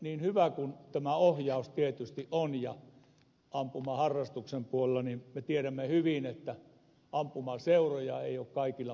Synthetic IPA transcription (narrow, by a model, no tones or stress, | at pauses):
niːnhyʋækunt̪æmæohjɑust̪iet̪yst̪iʔonjɑ̰ | ɑmpumɑhɑrːɑst̪uksempuolelːɑninmet̪ieɾæmːehyʋinet̪ːæ | ɑmpumɑseurojɑeˑiokkɑikilːɑ